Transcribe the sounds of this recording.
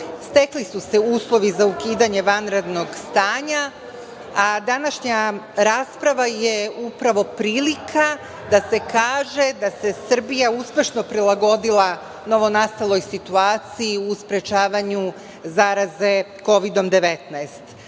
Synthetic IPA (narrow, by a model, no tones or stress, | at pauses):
st̪e̞klisuse̞uːslˠo̞ʋizaukiːd̪aɲe̞ʋanɾed̪no̞ɡst̪aːɲa | ad̪anaʃɲaɾaːspɾaʋajeupɾaʋo̞pɾiːlikʰa | d̪ase̞kaːʒe̞d̪ase̞sr̩bijauspʲje̞ʃno̞pɾilˠaɡo̞d̪ilˠa | no̞ʋo̞nast̪alˠo̞jsit̪uaːt̪sijiuspɾe̞t͡ʃaːʋaɲu | zaːɾaze̞ | ko̞ʋid̪o̞md̪e̞ʋe̞t̪naest̪